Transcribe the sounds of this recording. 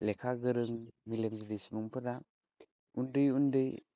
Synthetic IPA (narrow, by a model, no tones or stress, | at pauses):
lekʰaɡɯɾɯŋmilemzidijsimuŋpʰɯda | undɯjundɯj